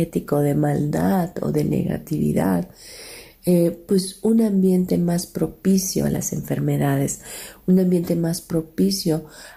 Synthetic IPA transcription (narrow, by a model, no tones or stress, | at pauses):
et̪iko̞ðe̞mald̪aðo̞̰ðe̞nḛɣa̰t̪iβḭða̰ð | epwe̞sunambje̞nt̪e̞maspɾo̞pisjo̞̰a̰la̰se̞ɱfe̞ɾme̞ðaðe̞sunãmbje̞nt̪e̞maspɾo̞pisjo̞